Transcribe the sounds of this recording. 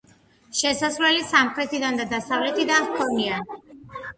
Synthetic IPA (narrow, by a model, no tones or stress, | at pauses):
ʃɛsasvlɛlisamχɾɛt̪ʰid̪and̪ad̪asavlɛt̪ʰid̪aχkʰɔnian